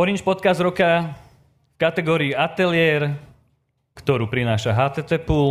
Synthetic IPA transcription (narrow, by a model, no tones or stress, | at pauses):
ɔɾint͡ʃpɔt̪kazd̪ɾɔka | fkat̪ɛɡɔːɾiːat̪ɛlɪɛɾ | kt̪ɔɾuːpɾinaːʃaɦaːt̪ɛt̪ɛpul